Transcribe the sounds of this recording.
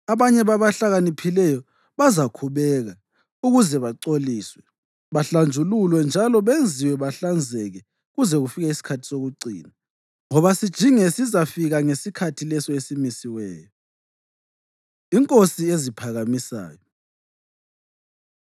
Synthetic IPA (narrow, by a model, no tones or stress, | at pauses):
aβaɲɛβaβaɬaɣanipʰilɛjɔ | βazakʰuβɛɣa | uɣuzɛβaǀoliːswɛ | βaɬand͡ʒʱululwɛnd͡ʒʱalɔβend͡zʱiwɛβaɬand͡zʱɛɣɛ | ɣuzɛɣufiɣaisi̥kʰatʰi̥soɣuɡ͡ǀʱḭːna | ŋɔβasid̥ʒ̥ʱiŋesizafiɣaŋesikʰatʰilɛsɔesimisiwɛ̰ːjɔ | iŋkʼosiezipʰaɣamisa̰ːjɔ